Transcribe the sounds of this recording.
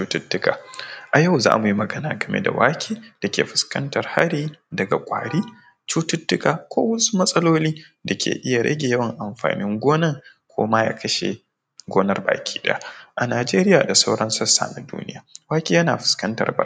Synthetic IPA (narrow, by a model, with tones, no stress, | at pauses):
t͡ʃuː˦tʊ˦tːʊ˦ka̰ː˨ʔa˨ja˦˨wza̰ː˦mu˨ji˦mɐ˨ɡɐ˦naː˨ɡɐ˨mʔḛ˦da̰˨waː˦kʲʰiː˦d̥a˨kʲḛː˨ɸɪ̥˨skɐ̰˦ntɐ˨rha̰˦ɾiː˦dɐ˨ɡa˨kʷʼa̰ː˨ɽiː˦ | t͡ʃuː˦tʊ˦tːʊ˦kaː˨kʷo̰ː˦wɐ˦su̥˦mɐ˦sʼɐ˦loː˦liː˦ | da˨kʲʰḛː˨ʔɪ˦ja˨ɽɐ̰˦ɡʲe˨jɐ˦wɐ˨ŋʔa˨mɸa̰ː˨nɪ˦ŋɡʷoː˦nɐ˦ŋ | kʷʰo̰ː˦ma˦ja̰ː˦kɐ˦ʃḛ˨ | ɡʷoː˦nɐ˦˨rba̰ː˨kʲʰi̥ː˦dɐ̰˦ja˦ʔa˨naː˨d͡ʒeː˦ɾɪ˦jaː˨da˨sa˦wɽɐ˦nsɐ˦sːa̰ː˨na˨dṵː˦nɪ̰˦jaː˨waː˦kʲiː˦jɐ˦naː˨ɸɪ̥˨skɐ˦ntɐ̰˨rbɐ̰˦˨˦